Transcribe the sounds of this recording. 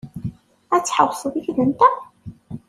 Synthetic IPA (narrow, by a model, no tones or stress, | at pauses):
æt͡sːħəwsˤəðiçðənt̪æ